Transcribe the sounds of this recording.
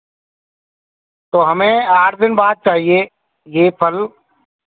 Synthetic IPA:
t̪oːɦəmẽːaːɾd̪ɪnbaːd̪̚t͡ʃaːɦieː | jeːpʰəl

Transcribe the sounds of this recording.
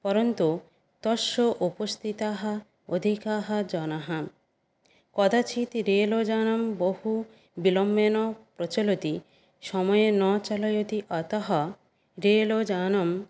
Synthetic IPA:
pɔɾont̪u | t̪ɔʃoʔupost̪ʰit̪aɦa | od̪ʱikaɦad͡ʒɔnaɦa | kɔd̪at͡ʃʰit̪ɾelod͡ʒanɔmbohu | bilɔmbenɔpɾot͡ʃolot̪i | ʃɔmɔjenɔt͡ʃalɔjot̪iʔɔt̪ɔɦɔ | ɾelod͡ʒanɔm

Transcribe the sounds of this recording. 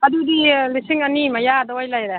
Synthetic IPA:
ɐdudilisiŋɐnimajadawajlajɾe

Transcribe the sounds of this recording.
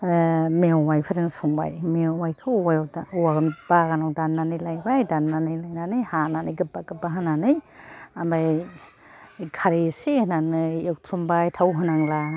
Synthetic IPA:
mewwajpʰɯɾiŋsuŋba̰jmewajkʰɯwajwdauaɡɯnb̥aɡanɔwdanːanɯjlajbajdanːanɯjlajnanɯjhananɯjɡɯbaɡɯbaɦananɯjambaj | kʰaɾisenanɯewtʰɾumbajtʰawɦɯnaŋla

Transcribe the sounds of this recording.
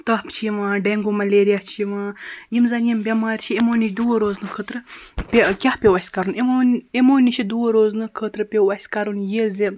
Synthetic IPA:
t̪ɐhpt͡ʃʰiʋãːɖeŋɡumɐleːɾijaht͡ʃʰiʋãːjimzɐnjimbʲɐmaːɾʲt͡ʃʰiemoːnʲit͡ʃʰʲd̪uɐɾoːznɨkʰət̪ɾɨpʲekʲahpʲewɐsʲkɐɾunemːnemoːnʲit͡ʃʰid̪uwɾoːznɨkʰət̪ɾɨpʲewɐsʲkɐɾunjezi

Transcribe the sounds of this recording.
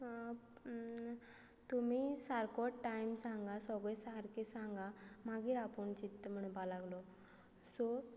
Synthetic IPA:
t̪umisaɾkɔʈʈajmsãŋɡasɔɡɭesaɾkesaŋɡamaɡiːɾapuɳt͡ɕit̪ːəm̤əɽupalaɡlɔ | sɔ

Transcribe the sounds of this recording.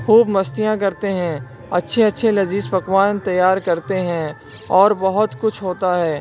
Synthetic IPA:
xuːbmɐst̪ijãk̬ɐɾt̪eɦɛ̃ | ɐtːʃʰeɐtːʃʰelɐziːspɐkwaːnt̪ɐjːaːɾkɐɾt̪eɦɛ̃ | ɔːɾbɐɦʊt̪kʊt͡ʃʰɦoːt̪aɦɛː

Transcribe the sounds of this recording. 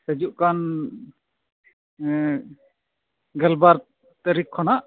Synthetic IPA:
səd͡ʒuʔkan | ɡəlbaɾ | t̪əɾikʰːɔnaʔ

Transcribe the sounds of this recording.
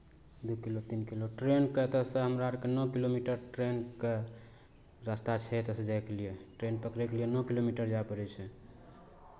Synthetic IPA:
d̪ukilot̪inkiloʈɾenket̪əsəɦəmɾaəɾkenɔkilomiʈəɾʈɾenke | ɾast̪at͡ʃʰɛt̪əsẽd͡ʒajkelijeʈɾenpəkɾɛkelijenɔkilomiʈəɾd͡ʒaepəɾɛt͡ʃʰɛ

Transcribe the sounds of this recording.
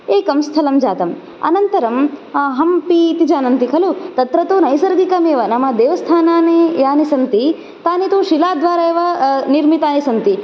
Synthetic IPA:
eːkɐmst̪ʰɐlɐmd͡ʒaːt̪ɐm | ɐ̰nɐnt̪ɐɾɐmɦɐmpit̪id͡ʒaːnɐnt̪ikʰɐlut̪ɐt̪ɾɐt̪oːnɐjsɐɾɡikɐmeːʋɐnɐmɐd̪eːʋɐst̪ʰaːnaːnejaːnisɐnt̪i | t̪aːnit̪oːʃilaːd̪ʋaːɾɐeːʋɐniɾmit̪aːnisɐnt̪i

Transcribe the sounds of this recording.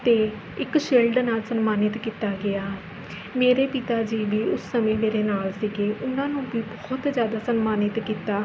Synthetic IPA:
t̪eː | ɪkʃeːlɖnaːlsənmaːnɪt̪kiːt̪aːɡɪaː | meːɾeːpɪt̪aːd͡ʒiːʋiːʊsːəmẽːmeːɾeːnaːlsiɡeːʔʊnãːnũːbiːbɔːt̪zjaːd̪aːsənmaːnɪt̪kiːt̪aː

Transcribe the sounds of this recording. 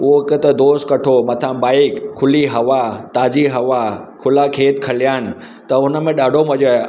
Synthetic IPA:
ʊɦoɪkət̪ɐd̪oːst̪kɐʈʰomɐt̪ʰãɓaːɪkkʰːʊliɦɐʋat̪aːd͡ʑiɦɐʋakʰʊlakʰeːt̪kʰɐlijaːɪnɪ̆ | t̪ɐʊnə̆mẽɗaːɖʱomɐʄo

